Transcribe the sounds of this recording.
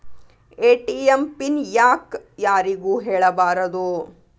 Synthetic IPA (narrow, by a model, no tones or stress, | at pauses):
eːʈiempinjaːkjaːɾiɡuːɦeːɭɐbaːɾɐd̪u